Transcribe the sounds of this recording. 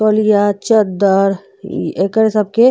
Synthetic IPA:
oːlijat͡ʃəd̪əɾ | ekəɾsɐb̚ke

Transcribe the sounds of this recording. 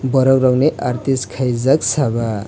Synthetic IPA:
bʌɾʌkrʌwneʔaɾt̪iskʰajd͡zaksabʱa

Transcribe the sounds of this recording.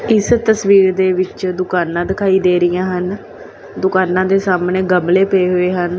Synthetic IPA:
ɪst̪əsʋiːɾd̪eːʋɪt͡ʃd̪ʊkaːnãːd̪ɪkʰaːiːd̪eːɾɪjãːɦən | d̪ʊkaːnãːd̪eːsaːmneːɡəmleːpeeːɦoːeːɦən

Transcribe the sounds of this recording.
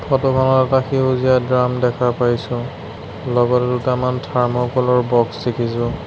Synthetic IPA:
pʰɔtɔkʰanɔtataxeuzijadɹamdɛkʰapajsʊ̃ | lɔɡɔtɛdutamantʰaɹmɔkɔlɔɹbɔksdekʰisʊ̃

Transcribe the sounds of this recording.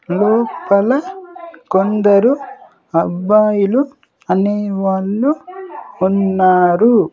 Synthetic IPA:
lɔːpɐlɐkond̪ɐɾu | ɐbːaːjulu | ɐneːʋaːɭːuː | nːaːɾu

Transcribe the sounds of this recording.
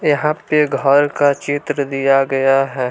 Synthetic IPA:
jɐɦãpeɡʱɔɾkat͡ʃɪt̪ɾəd̪ijaɡɐjaɦɛː

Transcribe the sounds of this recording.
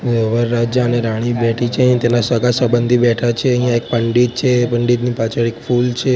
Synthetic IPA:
ʋəʋəɾːad͡ʒjəəneɾaɽ̃ibɛʈʰit͡ʃʰeəɦĩt̪enasəɡasəbənd̪ʱibɛʈʰat͡ʃʰeəɦijãek̚pəɳɖid̪̚t͡ʃʰepəɳɖid̪nipat͡ʃʰəɾikfult͡ʃʰe

